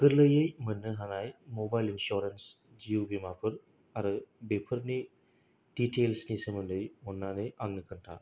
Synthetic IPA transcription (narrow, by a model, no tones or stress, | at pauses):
kɯɾlɯjɯjmɯnːɯɦanajmɔbajlinsɔɾens | d͡ʒiubimapʰɯɾ | aɾɯbepʰɯɾni | d̥itʰelsnisɯmɯndɯjmɔnːanɯjaŋnɯkʰɯntʰa̰